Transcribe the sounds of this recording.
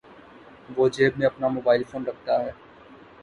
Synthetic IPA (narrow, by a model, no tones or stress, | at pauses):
ʋoːd͡ʒeːbmẽːɐpnaːmoːbaːɪlfoːnɾəkʰt̪aːɦɛː